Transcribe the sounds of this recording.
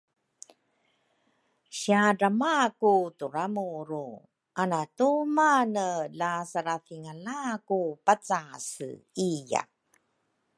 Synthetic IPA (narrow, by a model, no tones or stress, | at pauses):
ɕiaramakutuɾamuɾu | ʔanatumanəlasaɾaθiŋalakupat͡sasija̰